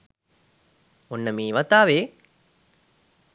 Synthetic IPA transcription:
unːəmiːʋɐt̪aːʋeː

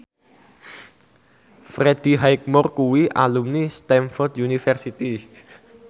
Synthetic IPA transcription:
fɾed̪̥i̤ɦajk̚mɔrkuwiʔa̰lumnist̪ɛnfɔrd̪junifɛrsit̪i

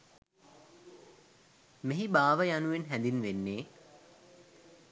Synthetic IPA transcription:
meɦibaːʋəjanuʋenɦænd̪inʋenːeː

